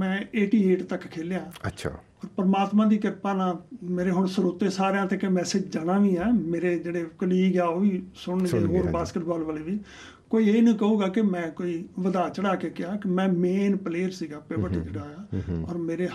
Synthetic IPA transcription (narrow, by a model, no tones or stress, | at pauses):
mɛ̃ːeːʈiːeːʈt̪əkːkʰeːljãːəʃʰ | ɔːɾpəɾəmaːt̪mãːd̪iːkɪɾpaːnãːmeːɾeːɦʊɳsəɾoːt̪ẽːsaːɾejãːt̪eːkemɛːsed͡ʒd͡ʒaːnãːʋiːɛːmeːɾeːd͡ʒeːɽeːkəliːɡjaːoːʋiːsʊɽnɡeːɦoːɾbaːskəʈbaːlbəːleːʋiː | koːiːeːnũːkəuːɡaːkɪmɛ̃ːkoːiːʋəd̪aːt͡ʃəɽaːkeːkɪaːkɪmɛ̃ːmeːnpleːəɾsiːɡaːpeːbəɾʈid͡ʒeːɽaːaːɔ̰ːɾmeːɾeː